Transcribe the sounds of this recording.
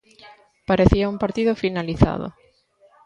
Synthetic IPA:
paɾeθiaumpaɾt̪iðʊfinaliθa̰ðʊ̰

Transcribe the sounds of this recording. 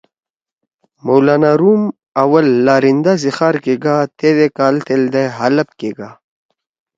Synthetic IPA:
mowlaːnaɾum | ɐwɐlːaːɾind̪azixaːɾkeɡaːt̪eːd̪ekaːlt̪eld̪ajɦalɐp̚keːɡa

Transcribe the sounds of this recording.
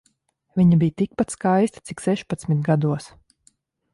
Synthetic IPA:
viɲabijt̪ik̚pat̪skajst̪ḁt̪siksɛʃpat̪smit̪ɡad̪uɔs

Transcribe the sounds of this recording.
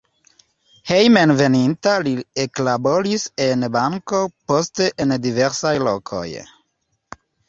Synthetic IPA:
hejmenvenint̪alieklaboɾisenbaŋkopost̪eʔend̪iveɾsajlo̰kʰo̰j

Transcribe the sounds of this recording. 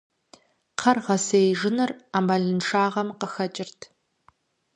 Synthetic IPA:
qʰɐrʁɐsejʒɪnɨraːmaɮɨnʂʰaːʁɐmqəxɐt͡ʃʼɪrtʰ

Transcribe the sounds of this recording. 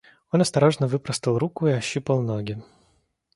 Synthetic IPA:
o̞nɐst̪ɐɾo̞ʐnəvɨpɾəst̪əlˠɾukʊɪɐɕːupəlˠnoɡʲɪ

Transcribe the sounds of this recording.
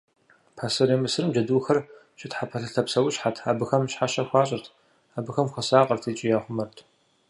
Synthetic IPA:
pʰaːsɨɾiːmɨsɨrɨmd͡ʒɐduːxɐr | ɕɪtħapʰɐɬɨɬtʰɐpsɐwʊɕħatʰaːbɨxɐmɕħaʃɐxʷaːɕʼɐrtʰ | aːbɨxɐmxʷɐsaːqʼɐrtʰiːt͡ʃʼɪjaːχʷʊmɐrtʰ

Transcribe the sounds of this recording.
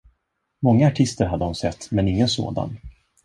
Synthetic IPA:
mɔŋːaːʈʰɪst̪əɾɦad̪ːəʊnsɛt̪ːmɛnɪŋːənso̰ːd̪a̰n

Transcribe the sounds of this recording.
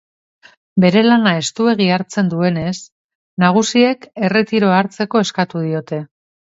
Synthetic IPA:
be̞ɾe̞lanae̞st̪ue̞ɣ̞iaɾt͡se̞nd̪ue̞ne̞s | naɣ̞usie̞ke̞re̞t̪iɾo̞aɾt͡se̞ko̞e̞skat̪uðio̞t̪e̞

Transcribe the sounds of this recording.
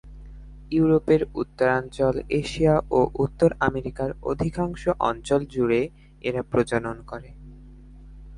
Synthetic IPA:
juuɾopeɾut̪ːoɾant͡ɕoleʃiaʔoʔut̪ːoɾameɾikaɾo̰d̪ʱikaŋʃoʔɔ̰nt͡ɕold͡ʑuɾe | eɾapɾod͡ʑononkɔɾe

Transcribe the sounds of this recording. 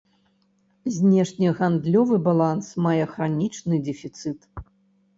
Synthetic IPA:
zʲnʲɛʂnʲiɣand̪lʲɔvɨbalˠansmajɛxɾanʲit͡ʂnɨd̪ʲɛfʲit̪sɨt̪

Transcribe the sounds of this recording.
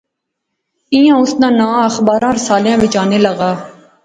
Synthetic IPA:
ĩjãːʊsnãːnãːəxbaːɾãːɾɪsaːljãːʋɪt͡ʃaːneːləɣaː

